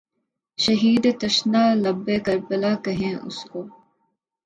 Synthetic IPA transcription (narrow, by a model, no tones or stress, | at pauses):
ʃɐɦiːd̪t̪ɐʃnaːlɐbːeːkɐɾbəlaːkɐɦẽːʔʊ̰skoː